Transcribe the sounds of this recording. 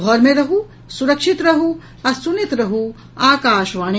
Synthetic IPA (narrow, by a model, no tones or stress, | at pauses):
ɔːɾmẽɾɐɦu | suɾɐkʂit̪ɾɐɦu | ɐsunit̪ɾɐɦu | aːkaːʃʋaːne